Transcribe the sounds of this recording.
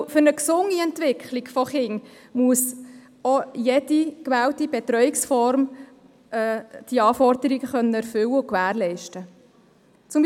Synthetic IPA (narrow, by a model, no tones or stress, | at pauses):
fʏɾnəksʊŋːiɛnt̪ʋɪkʰχliɡfɔχɪŋmuəs | ojed̥ikʋæːwtibɛt̪ɾœɥiksfɔɾm | ɛːd̥iɑːfɔɾd̥̪əɾiɡəχœnːəɛɾfʏwəʊkʋæːɾlɛɪʃtə | t͡sʊm